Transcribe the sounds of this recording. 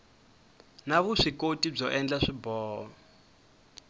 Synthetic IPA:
naβuʂikotib͡ʐɔʔɛnd͡ɮaʂibɔːwɔ

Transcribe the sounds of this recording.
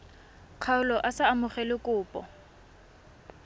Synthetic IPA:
q͡χʰaʊlɔʔasaːmʊχɛlɪkʼʊːpʼɔ̰

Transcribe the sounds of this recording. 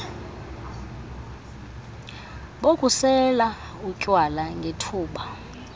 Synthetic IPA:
ɓokʼusɛla | ucʼwalaŋɡʱetʰuːɓa

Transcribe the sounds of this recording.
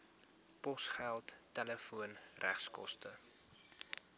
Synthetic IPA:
pɔsχælˠtːɛləfuənrʔæχskɔ̰stə

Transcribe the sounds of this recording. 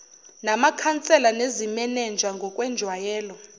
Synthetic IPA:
namakʰant͡sʼɛlanezimɛnɛnd͡ʒʱaŋɡʱɔkʼwɛnd͡ʒʱwajɛːlɔ

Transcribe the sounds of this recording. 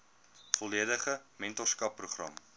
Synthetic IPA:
fɔliədəχəmɛntɔskɐpːruχrɐ̰m

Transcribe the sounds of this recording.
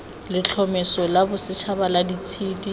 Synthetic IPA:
lɪt͡ɬʰɔmɪsɔlabʊsɪt͡ʃʰabaladit͡sʰiːdi

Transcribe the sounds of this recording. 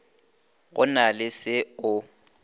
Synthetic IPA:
ɣʊ̰nalɪsɪʊ

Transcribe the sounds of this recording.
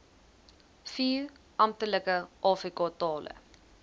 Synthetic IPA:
fiːɾ | ʔɐmtələkəʔɑːfrikɑtɑːlʔə̰

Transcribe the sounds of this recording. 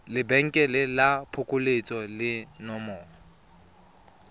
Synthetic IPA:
lɪbɛŋ̩kʼɛlɪlapʰʊkʼʊlet͡sʼɔlɪnɔmɔːɔ

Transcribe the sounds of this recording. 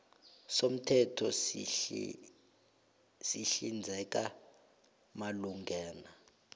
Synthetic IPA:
som̩tʰɛtʰɔs | siɬind͡zʱɛk̬ʼa | maluŋɡʱɛːna

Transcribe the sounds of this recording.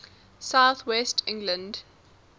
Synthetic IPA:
saʊθwɛstʰɪ̃ŋɡlə̃nd

